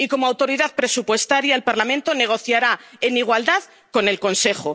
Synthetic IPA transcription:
iko̞moawt̪o̞ɾiðaðpɾe̞supwe̞st̪aɾjaelpaɾlamẽnt̪o̞ne̞ɣ̞o̞θjaɾae̞niɣ̞wald̪að | ko̞nelko̞nse̞χo

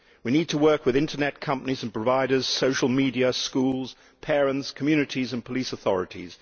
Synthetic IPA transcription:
winiːd̚tʰəwɜˑ˞kwɨðɪ̃ntənɛt̚kʰʌ̃mpənizə̃n̩pʰɹ̥əvaɪɾəz̥soʊʃəlˠmidiəskulˠz̥ | pʰɛɹə̃ntskʰəmjʉnɨɾizə̃npʰəlisəθɔ̰ɹɨɾḭz̥

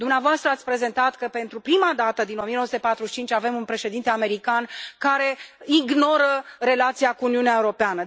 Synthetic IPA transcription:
d̪umneavoast̪ɾəat̪sʲpɾe̞ze̞nt̪at̪kəpe̞nt̪ɾupɾimad̪at̪əd̪ino̞miənosut̪epat̪ɾuʃit͡ʃint͡ʃʲave̞munpɾe̞ʃe̞d̪int̪e̞ame̞ɾikankaɾe̞iɡno̞ɾəre̞lat̪sijakuːniuneaeuɾo̞peanə

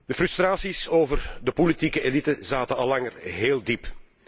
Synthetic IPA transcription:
d̪əfrʏst̪raːsisoːvərdəpolitikəelitəzaːtənɑlɑŋərɦeːlˠdip

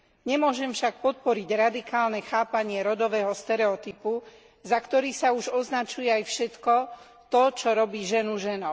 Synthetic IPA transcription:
ɲɛmʊɔʒɛmfʃak̚pɔt̪̚pɔɾiɟɾad̪ikaːlnɛxaːpaɲɪɛɾɔd̪ɔʋɛːɦɔst̪ɛɾɛɔt̪ipu | zakt̪ɔɾiːsauʒɔznat͡ʃujɛajfʃɛt̪kɔ | t̪ɔt͡ʃɔɾɔbiːʒɛnuʒɛnɔʊ

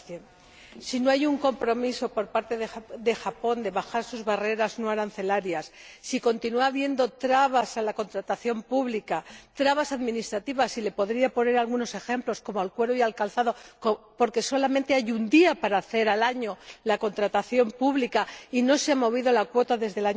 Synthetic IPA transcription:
sino̞ajuŋko̞mpɾo̞miso̞po̞ɾpaɾt̪e̞ðeðe̞xapo̞nd̪e̞βaxaɾsuzβare̞ɾazno̞aɾanθe̞laɾjasːiko̞nt̪inuaβje̞nd̪o̞t̪ɾaβasalako̞nt̪ɾat̪aθjo̞mpuβlikat̪ɾaβasaðmĩnist̪ɾat̪iβasile̞po̞ðɾiapo̞ne̞ɾalɣuno̞se̞xe̞mplo̞sko̞moalkwe̞ɾojalkalθaðo̞kpo̞ɾke̞so̞lamẽnt̪e̞ajund̪iapaɾaːθe̞ɾalaɲo̞lako̞nt̪ɾat̪aθjo̞mpuβlikaino̞seamo̞β̞iðo̞lakwo̞t̪aðe̞zðe̞laɲ

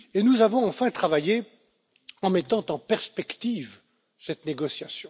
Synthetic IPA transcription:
enuzavɔ̃ɑ̃fɛ̃t̪χavaje | ɑ̃mɛt̪ɑ̃t̪ɑ̃pɛʁspɛkt̪iv | sɛt̪neɡɔsjasjɔ̃

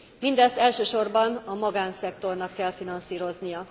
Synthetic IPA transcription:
mind̪ɛst̪ɛlʃøːʃo̞rbɒnɒmɒɡaːnsɛkt̪o̞rnɒkːɛlfinɒnsiːɾo̞znijɒ

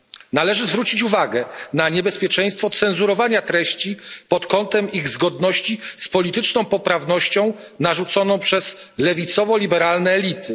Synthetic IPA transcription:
nalɛʐɘzvɾut͡ɕit͡ɕuvaɡɛnaɲɛbɛspʲjɛt͡ʂɛj̃st̪fɔt̪sɛnzuɾɔvaɲat̪ɾɛɕt͡ɕipɔt̪kɔnt̪ɛmiɣzɡɔd̪nɔɕt͡ɕispɔlʲit̪ɘt͡ʂnɔ̃w̃pɔpɾavnɔɕt͡ɕɔ̃w̃ | naʐut̪sɔnɔ̃w̃pʂɛslɛvʲit̪sɔvɔlʲibɛɾalnɛːlʲit̪ʰɘ

